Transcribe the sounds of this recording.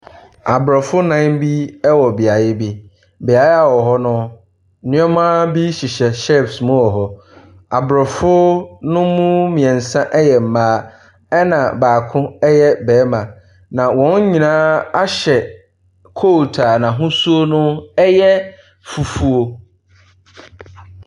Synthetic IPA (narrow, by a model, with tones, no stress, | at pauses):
a˨bɾɔ˨fʊ˦nã˦bi˦ɛ˦wɔ˨bi˨a˨jɪ˦bi˦ | bɪ˨a˨ja˦˨wɔ˨ɦɔ˦nʊ̃˦ | nɪ̃˦ɔ˦mã˦bi˦ɕi˨ɕɛ˨ɕɛ˦˨fsmʊ̃˦ɔ˨ɦɔ˨ | a˨bɾɔ˨fʊ˦nʊ̃˦mũ˦mĩ˨ɛ̃˨n̩˨sã˦ʔɛ˦jɛ˨m̩˨maː˨˦ | ɛ˦nã̰˨baː˨kʰʊ̃˦ɛ˦jɛ˦bɛː˨˦mã˨ | nã˨wɔ̃˦n˦ɲĩ˨nãː˦a˦ɕɛ˨ | kʰo˦˨tʰa˨nã˨ɦʊ̃˦su˦o˦nʊ̃˦ɛ˦jɛ˦ | fu˨fu˦o˦